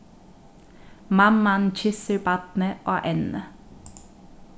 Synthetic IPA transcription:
mɑmɑnc͡çʏsəɹbɑt̪nəʔoːʔɛnnə̰

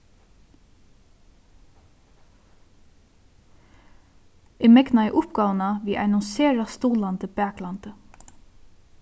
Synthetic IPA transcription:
ɪmɛknaɛʔʊpɡɑːwənaʋiːʔa̰ɪnʊnseːɾast̪uːlant̪əbæːklant̪ə

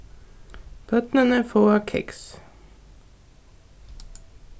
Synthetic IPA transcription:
b̥œt̪nənəfoːɑkʰɛ̰ks

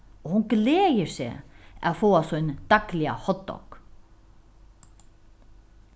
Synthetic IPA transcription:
ɔhʊnɡleːjɪɾsḛa̰ðfoːasɔjnd̪̥ɑklɪa̰hɔt̪ːɔ̰k

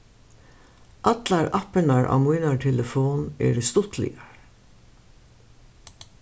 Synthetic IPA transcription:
ʔɑt̪laɹapənaɹʔa̰ːmujnaʈʰɛləfoːnɛ̰ɖst̪ʊt̪lɪ̰aɹ

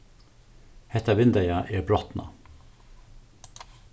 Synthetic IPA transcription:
hɛt̪ɑʋɪnd̪æɪɑʔeːbɾɔt̪nʔɑ̰

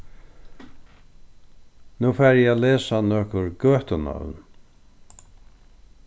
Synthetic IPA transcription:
nuːfæːɾjɛalɛːsanɔːhkʊɹɡœːht̪ʊna̰ʋn

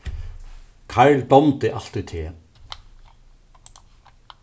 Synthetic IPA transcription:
kʰɑɹld̪ɔmt̪əʔɑlt̪ɪt̪ʰeː

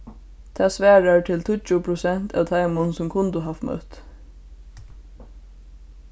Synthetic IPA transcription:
t̪ʰaːsʋæːɹaɹt̪ʰɪlt̪ʰʊt͡ʃʊpʰɾʊsɛn̥t̪ʰa̰ːʋt̪ʰaɪmʊnsʊmkʰʊnt̪ʊɦaft̪mœ̰t̪

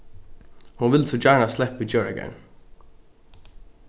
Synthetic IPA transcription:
hʊnʋɪlsɔd͡ʒæːɳaslɛpid͡ʒœːɹəɡɛ̰n

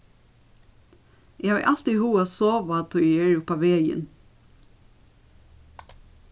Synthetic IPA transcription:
jeɑ̰ʔɑlt̪ihuːɑsoːʋɑt̪ʰoeːɹʊpɑʋeːjə̰n

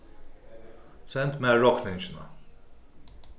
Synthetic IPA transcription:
sɛnt̪mɛɹɔknɛ̃nt͡ʃɪna̰

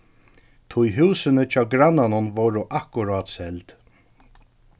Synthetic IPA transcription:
t̪ʰʊjɦuːsɪnɪt͡ʃʰɑːɡɾanːanʊnvowɾʊʔahkʊɾaːt̪sɛlt̪

